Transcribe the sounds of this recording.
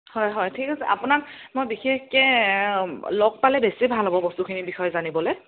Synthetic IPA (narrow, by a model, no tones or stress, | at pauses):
hɔjɦɔjtʰikʰasɛʔapʊnakmojbixexkɛ | lɔk̚palɛbesibʱalɦobɔbɔstukʰinibixɔjɔzanibɔlɛ